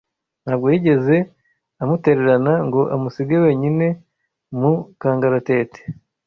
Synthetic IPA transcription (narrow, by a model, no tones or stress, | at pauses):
n̥haːbɡo̞jiːɟe̞ze̞ | amute̞ɾe̞ɾanaŋɡo̞ʔamusiɡewe̞ːɲine̞ | mukaːŋɡaɾate̞ːte̥